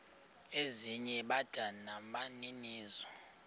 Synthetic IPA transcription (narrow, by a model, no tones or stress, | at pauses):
eziɲɛɓad̥ʱanamaniniːzɔ